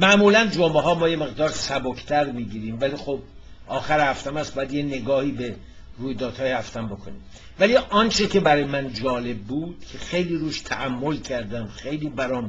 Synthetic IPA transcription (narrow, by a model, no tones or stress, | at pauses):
mæʔmuːlænd͡ʒombeɦɒːmɒːje̞me̞ɣd̪ɒːɾsæbokʰt̪ʰæɾmiːɟiːɾiːmvæliːxob̚ | ʔɒːxæɾehæft̪æmæst̪bɒːjæd̪jene̞ɡɒːhiːbe | ruːjd̪ɒːd̪̥hɒːjehæft̪æmbo̞kʰo̰nḭːm | væliʔɒnt͡ʃʰe̞cʰe̞bæɾɒːjemænd͡ʒɒːle̞b̚ːuːd̪̥cʰexe̞jliːɾuːʃt̪ʰæ̰ʔæmːo̞lcʰæɾd̪æmxe̞jliːbæɾɒːm